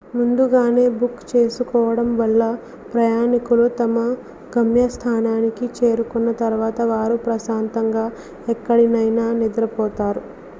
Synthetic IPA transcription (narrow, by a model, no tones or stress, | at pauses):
mund̪uɡaːne̞ːbukt͡ʃe̞ːsukɔːʋɐɽɐmʋɐlːɐ | pɾɐjaːnikulut̪ɐmɐ | ɡɐmjɐst̪ʰaːnaːnikit͡ʃe̞ːɾukunːɐt̪ɐɾʋaːt̪ɐʋaːɾupɾɐsaːnt̪ɐŋɡaː | ɛkːɐɽinɐjnaːnid̪ɐɾɐpɔːt̪aːɾu